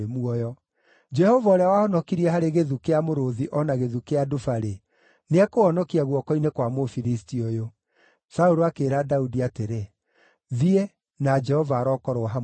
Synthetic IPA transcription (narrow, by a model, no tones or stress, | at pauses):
muɔjɔ | d͡ʒɛhɔvaɔɾeawahɔnɔkiɾiɛɦaɾeɣeðukeamoɾoðiʔɔnaɣeðukeadofaɾe | neakoɔnɔkiaɣwɔkɔinekwamofiɾistiojo | sauɾoakeɾadaudiateɾe | ðiɛ | nad͡ʒɛhɔvaːɾɔkɔɾoɦa